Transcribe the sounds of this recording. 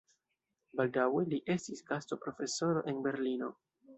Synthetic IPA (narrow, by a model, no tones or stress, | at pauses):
baldawe̞liʔe̞stisɡasto̞pɾo̞fe̞so̞ɾo̞̰ʔe̞nbe̞ɾlino̞̰